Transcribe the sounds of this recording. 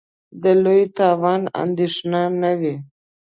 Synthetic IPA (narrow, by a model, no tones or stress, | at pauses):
d̪əlojt̪ɑwɑna̰nd̪eʂnanawi